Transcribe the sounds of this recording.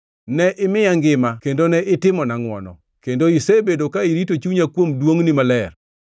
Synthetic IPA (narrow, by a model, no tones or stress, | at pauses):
nɛʔɪmɪjaŋɡɪmakendonɛʔɪtɪmɔnaŋwɔnɔ̰ | kendoisebedokaiɾitot͡ʃuɲakwomdwoŋnimalɛr